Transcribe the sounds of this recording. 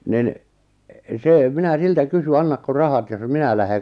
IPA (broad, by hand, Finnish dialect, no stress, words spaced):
nin seˑ minæ siltæ kysy ɑnːɑkːo rɑhɑt jos minæ læhe